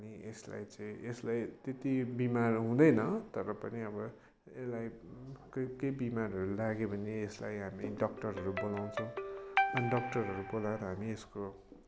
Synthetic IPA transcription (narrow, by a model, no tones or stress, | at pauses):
ʌniʔesla̰jt͡saĩʔeslajt̪et̪ibimarɦũd̪ʌjnʌt̪ʌɾʌpʌniʌbʌ | elajkʌkejbimarɦʌɾulaɡebʱʌneesla̰jɦamiɖʌk̚ʈʌrɦʌɾubolaw̃t͡sʰʌ̃w̃ʌniɖʌk̚ʈʌrɦʌɾubolaɾʌɦamiesko